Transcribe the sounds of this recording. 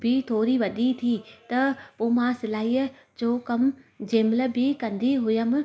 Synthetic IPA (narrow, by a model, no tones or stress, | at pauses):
bʱɪt̪ʰoːɾiʋɐɗit̪ʰit̪ɐpoːmãsɪlaːiːə | d͡ʑoːkɐmd͡ʑẽːmlə̆bʱɪkɐ̃nd̪iɦʊjəmɪ